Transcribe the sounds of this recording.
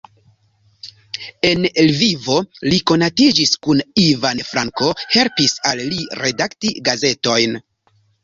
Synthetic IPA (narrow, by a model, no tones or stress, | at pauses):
e̞nelvivo̞liko̞natid͡ʒiskunivanfɾaŋko̞he̞lpisalːiɾe̞daktiɡaze̞to̞jn